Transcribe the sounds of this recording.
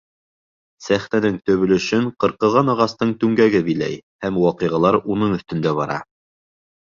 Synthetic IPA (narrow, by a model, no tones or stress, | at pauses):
sæχnænɘŋt̪ɵ̆βɘ̆lɵ̆ʃɘɴqɤ̆ɾqɤ̆ʁɑnɑʁɑst̪ɤɴt̪ʉŋɡæɡɘbilæ̰jhæmwɑqɤ̆jʁɑlˠɑɾunɤɴɵ̆θt̪ɵ̆nd̪æβɑɾɑ̰